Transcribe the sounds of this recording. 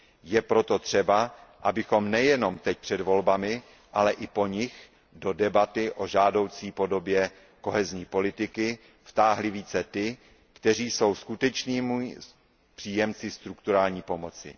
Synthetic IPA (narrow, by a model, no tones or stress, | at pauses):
jɛpɾo̞t̪o̞t̪r̝̥ɛbaʔabɪxo̞mnɛjɛno̞mt̪ɛc̚pr̝̥ɛdvo̞lbamɪ | ʔalɛʔɪpo̞ɲɪx | do̞dɛbat̪ɪʔo̞ʒaːdo̞wt͡siːpo̞do̞bjɛ | ko̞ɦɛzɲiːpo̞lɪt̪ɪkɪ | ft̪aːɦlɪviːt͡sɛt̪ɪ | kt̪ɛr̝iːso̞wskut̪ɛt͡ʃniːm | pr̝̥iːjɛmt͡sɪst̪ɾukt̪uɾaːlɲiːpo̞mo̞t͡sɪ̰